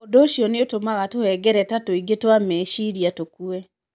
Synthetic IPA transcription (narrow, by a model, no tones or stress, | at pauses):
odoʃiɔneotomaɣatohɛɡɛɾɛtatoiɡetwamɛʃiɾiatokuɛ